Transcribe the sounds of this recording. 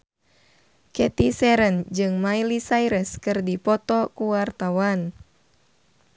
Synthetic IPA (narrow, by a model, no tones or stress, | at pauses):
kɛt̪isɛɾənd͡ʒɨŋmajlisajɾəskɨrdipɔt̪ɔkuwart̪awan